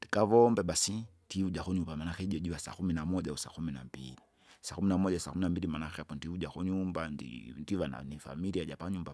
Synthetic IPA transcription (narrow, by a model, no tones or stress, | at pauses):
nd̥ikaʋɔmbɛɓasindiuʄaxɔɲumbamanakɛiʄɔʄuasa̰kuminamɔʄausa̰kuminambḭli | sakuminamɔʄasakuminambilimanakapɔndiuʄakɔɲumbandḭndiʋana̰nifa̰miɾiaʄapaɲumba